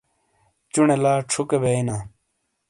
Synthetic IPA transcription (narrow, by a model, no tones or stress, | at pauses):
t͡ɕunelaːʈ͡ʂʰukebeinaː